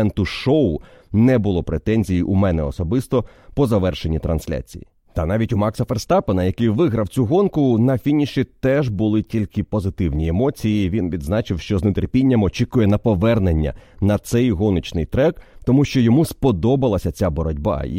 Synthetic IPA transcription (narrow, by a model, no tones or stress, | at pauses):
ɛnt̪ʊʃɔʊ | nɛbʊlˠɔpɾet̪ɛnʲzʲijiʔumɛnɛɔsɔbɪst̪ɔ | pɔzɐʋɛrʃe̞nʲit̪ɾɐ̰nsʲlʲa̰t͡sʲḭjḭ | t̪ɐnɑʋʲitʲʊmɑksɐferst̪ɑpenɐjɐkɪjʋɪɦɾɐwt͡sʲuɦɔnkʊnɐfʲinʲiʃit̪ɛʒbʊlˠɪtʲilʲkɪpɔzɪt̪ɪwnʲiemɔt͡sʲijiʋʲinʋʲid̪znɑt͡ʃɪwʃt͡ʃɔznet̪erpʲinʲːɐmɔt͡ʃikʊjɛnɐpɔʋɛrnenʲːɐ̰nɐt̪sɛjɦɔnɔt͡ʃnɪjt̪ɾɛkt̪ɔmuʃt͡ʃɔjɔmuspɔd̪ɔbɐlˠɐsʲɐt͡sʲabɔɾɔdʲbɑ̰